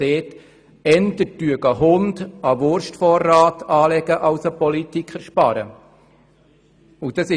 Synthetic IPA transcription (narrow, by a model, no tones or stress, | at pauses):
eːt | ɛnt̪ətyəɡɑɦʊnd̪ɑʋʊɾʃtfɔrːaːtɑːlɛɡəʔɑwsəpɔlit̪ikχəɾʃpɑɾə̰ | ud̥ɑsɪ